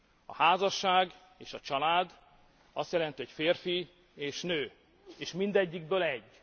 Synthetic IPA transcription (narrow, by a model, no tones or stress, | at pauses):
ɒ̰haːzɒʃːaːɡ | eːʃɒt͡ʃɒlaːd̪ | ɒst̪jɛlɛnt̪ihocfeːrfi | eːʃnøː | eːʃmind̪ɛɟːiɡ̚bøːlɛɟː